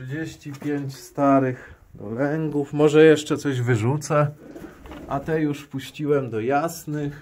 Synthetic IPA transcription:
d͡ʑeɕt͡ɕipʲjeɲt͡ɕst̪aɾɘx | d̪ɔ̰lɛŋɡufmɔʐɛjɛʂt͡ʂɛt̪sɔʑvɘʐut̪sɛ | ʔat̪ɛjuʂpuɕt͡ɕiwɛmd̪ɔjasnɘx

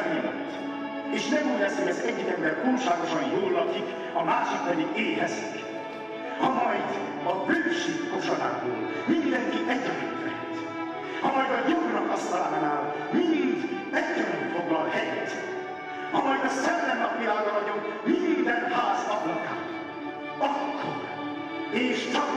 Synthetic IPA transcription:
milɒ̰t̪ː | eːʃnɛmiːlɛsikɛzɛɟːikɛmbɛrt̪uːlʃaːɡo̞ʃɒnjoːlːɒkik | ɒmaːʃikbɛliʔeːɦɛzik | hɒmɒjd̪ | ɒbøːʃeːkkoʃoɾaːbo̰ːl | mind̪ɛŋkiʔɛɟːɛɾyt̪mɛ̰nt̪ | hɒmɒjd̪ɒjoɡnɒkɒsaːnnaːl | mind̪ | ɛɟːɛɾynfoɡ̪ɒlhɛjɛt̪ | hɒmɒjd̪ɒsɛlːɛnːɒpijaːɾɒvɒɟokminnd̪ɛnhaːznɒpikaː | ɒkːoɾ | eːʃt͡ʃɒ

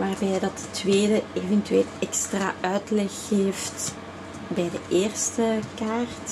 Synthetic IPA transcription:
ʋaːrbɛjdɑtətʋeːdəeːvɛntyeːlɛkstra̰ːœɥtlɛxeːft | bɛjdəʔeːrstəkaːrt

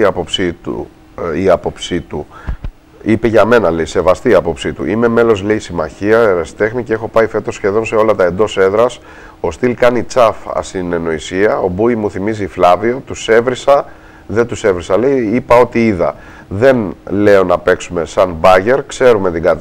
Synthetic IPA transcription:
ɐpo̞psit̪ṵ | iɐpo̞psit̪u | ipeʝɐme̞nɐleise̞vɐst̪iːɐpo̞psit̪uʔime̞me̞lo̞zleisimɐçiɐeɾesi̥t̪e̞xnice̞exo̞pɐife̞t̪o̞sçe̞ðo̞nse̞o̞lɐt̪ɐe̞nd̪o̞se̞ðɾɐs | o̞st̪ilkɐnit͡sɐfɐ̰sine̞no̞isiɐo̞buimuθimiziflɐvio̞t̪use̞vɾisɐ | ðet̪use̞vɾisɐlejipɐo̞t̪iiðɐ̰ | ðe̞nle̞o̞nɐpe̞ksume̞sɐnbɐʝe̞ɾkse̞ɾume̞t̪iɡɐt̪

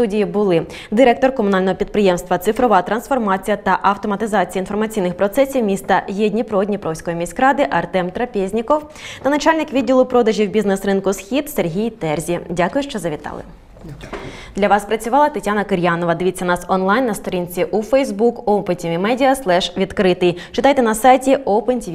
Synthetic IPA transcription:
st̪udʲijibʊlˠɪ | d̪ɪɾɛk̚t̪ɔrkɔmʊnɑlʲnɔɦɔpʲid̪̚pɾɪjɛmst̪ʋɐt̪sɪfɾɔʋɑt̪ɾɐnsfɔrmɑt͡sʲijɐt̪ɐʔɐwt̪ɔmɐt̪ɪzɑt͡sʲijɐinfɔrmɐt͡sʲijnɪxpɾɔt̪sɛsʲiwmʲist̪ɐjɛdʲnʲipɾɔdʲnʲipɾɔwsʲkɔjimʲisʲkɾɑd̪ɪʔɐrt̪ɛmt̪ɾɐpʲizʲnʲikɔw | t̪ɐnɐt͡ʃɑlʲnɪkʋʲidʲːilˠʊpɾɔd̪ɐʒʲiwbʲiznɛsrɪnkʊsxʲid̪serɦʲijt̪ɛrzʲidʲakʊjʊʃt͡ʃɔzɐʋʲit̪ɑ̰lˠɪ̰ | d̪lʲɐʋɑspɾɐt͡sʲʊʋɑlˠɐt̪ɐtʲanɐkɪɾʲjɑnɔʋɐd̪ɪʋit͡sʲːɐnɑsɔnlˠɑjnːɐst̪ɔɾʲinʲt͡sʲiʔufɛjzbukɔwpenʲtʲiʋʲimɛdʲiɐslˠɛʃʋʲid̪kɾɪt̪ɪjt͡ʃɪt̪ɑjt̪ɛnɐsɑjtʲiʔɔwpenʲtʲiʋʲ

